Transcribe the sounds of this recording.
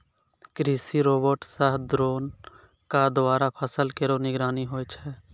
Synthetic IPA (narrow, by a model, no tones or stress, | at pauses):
kɾiːsiɾoːbəɾʈsəɦd̪ɾoːn | kad̪oaːɾapʰəsəlkeɾonɪɡɾaːniɦoːt͡ʃʰɛː